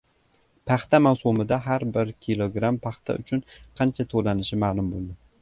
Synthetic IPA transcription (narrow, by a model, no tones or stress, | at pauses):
pʰaχt̪amawsʊmɪd̪aɦaɾbɪɾkʲʰilˠoɡɾampʰaχt̪ʰa̰ʊ̰t͡ʃʰʊnqʰɑnt͡ʃʰat̪ʰolanɪʃɪmaːlˠʊmbolˠd̪ɪ